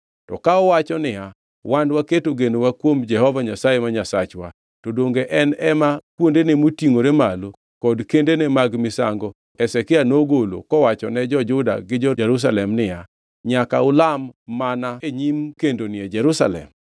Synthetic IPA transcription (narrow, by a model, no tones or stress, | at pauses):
tɔ̰kaɔwat͡ʃɔnɪja | wandwaketoɡenowakwomd͡ʒɛhɔvaɲasajemaɲasat͡ʃwa̰ | todoŋɡeʔɛnɛmakwondenemotiŋoɾemalo | kɔdkendenemaɡmɪsaŋɡɔ | ɛsɛkɪanoɡolo̰kɔwat͡ʃɔ̰nɛd͡ʒɔd͡ʒʊda̰ɡɪd͡ʒɔɛɾus̬alɛmnɪja | ɲakaʊlamːanaeɲimkendonɪɛd͡ʒɛɾusa̰lɛ̰m